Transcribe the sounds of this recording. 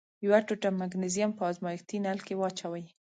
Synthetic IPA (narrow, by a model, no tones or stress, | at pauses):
jwaʈuʈamːaɡnɪzijampəɑzmɑjkt̪inalkewɑt͡ʃawaj